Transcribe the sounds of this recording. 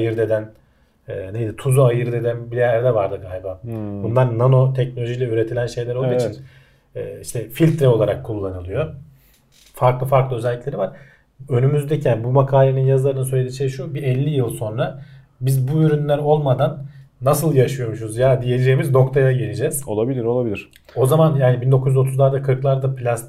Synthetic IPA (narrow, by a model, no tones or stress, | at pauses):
ajɯɾd̪e̞d̪æn | ɛːnejd̪it̪ʰuzuajɯɾd̪e̞d̪ænbijæɾd̪ɛvaɾd̪ɯɡaːlʲbabunlˠaɾnano̞t̪ʰɛcnolʲo̞ʒijlʲɛyɾe̞t̪ʰilʲænʃe̞jlʲæɾolˠd̪uiit͡ʃʰinː | iʃt̪ʰɛfilʲt̪ʰɾɛo̞lˠaɾakʰːulˠːanɯlˠɯjo̞ | faɾklˠɯfaɾklˠɯøzɛlʲːiclʲe̞ɾivaɾ̥ | ø̞nymyzd̪ɛcʰænbumakʰaːlʲeninjazlˠaɾɯnɯsø̞jlʲed̪it͡ʃejʃubiɛlʲːijɯlˠso̞nɾa | bizbuyɾynlʲæɾo̞lˠmad̪anː | asɯlˠjaʃɯjo̞muʃuuzjad̪ije̞d͡ʒejimizno̞kt̪ʰajaɟelʲid͡ʒɛz̥o̰lˠabilʲiɾolˠabilʲiɾ̥ | o̞zamanjaːnibind̪o̞kʰuj̪yzo̞t̪ʰuzlˠaɾd̪akʰɯɾklˠaɾd̪apʰlʲas